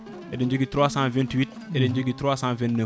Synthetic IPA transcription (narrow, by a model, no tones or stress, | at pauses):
ʔedəɲd͡ʒuɡit̪ɾwasãvɛ̃ntwit̚ | edeɲd͡ʒoɡit̪ɾwaːsãvɛ̃ntnə